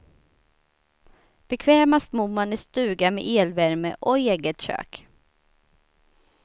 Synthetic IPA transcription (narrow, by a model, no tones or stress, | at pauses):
b̥ɛkʰvɛːmast̪mumanæst̪ʉ̟ːɡamḛʔeːlvæɾmə̰ʔɔeːɡət̪ɕø̰ːk